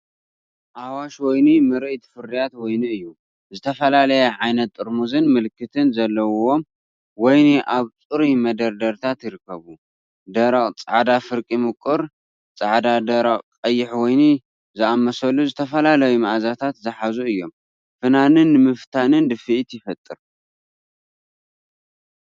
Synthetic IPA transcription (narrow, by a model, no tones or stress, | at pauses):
ʔawaʃwɔjnimɨɾɨʔt̪ʰfɨɾːijat̪wɔjniɨjːu | zɨt̪ʰɐfɐlalɐjɐʕajnɐt̪ʼːɨɾmuzɨnmɨlkʰːɨt̪ʰɨnzɐlːɐwwom | wɔjniʔaβt͡sʼɨɾimɐd̪ɐɾd̪ɐɾt̪ʰat̪jɪɾɨkːɐβu | d̪ɐɾɐχʼt͡sʼa̰ʕd̪afɨɾkʼimɨkʼːɨɾ | t͡sʼaʕd̪ad̪ɐɾɐqʼkʼɐjːɪħwɔjni | zɨamːɐsɐlːuzɨt̪ʰɐfɐlalɐjumaʔazat̪ʰat̪zɨħazuɨjːo̞m | fɨnanɨnːɨmɨft̪ʰanɨnd̪ɨfɨʔt̪jɪfɐt̪ʼːɨɾ